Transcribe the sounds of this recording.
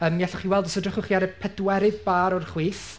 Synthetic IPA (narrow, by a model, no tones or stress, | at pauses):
əːmɛθɔχiwɛlˠdɔsɔdrɪχʊχiaɾəpʰɛdwɛɾɪðbaːɾɔrχwiːθ